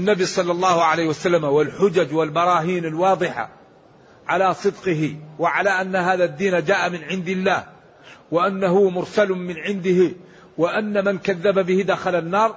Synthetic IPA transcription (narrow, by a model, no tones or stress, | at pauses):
ʔanːabisˤɑlːɑlˤːɑːhʕalaːhwasalːamawɪlħʊd͡ʒad͡ʒwɪlbɑɾˤɑːɦiːnɪlwɑːd̪ˤɨħa̰ | ʕalasˤɨd̪qɪɦɪwɪʕalaːʔanːaɦaːðad̪ːiːnad͡ʒaːʔamɪnʕɪnd̪ɪlːaːh | wɪʔanːaɦʊmʊɾsalmɪnʕɪnd̪ɪhɪ | wɪʔanːamankaðːababɪhɪd̪axalanːɑːɾˤ